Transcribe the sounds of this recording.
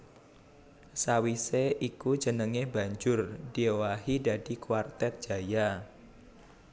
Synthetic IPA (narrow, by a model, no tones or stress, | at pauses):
sawiseʔiku̥d͡ʒənəŋeba̤ɲd͡ʒʊrd̥iewaɦidadikwart̪ɛt̪̚d͡ʒ̥a̤ja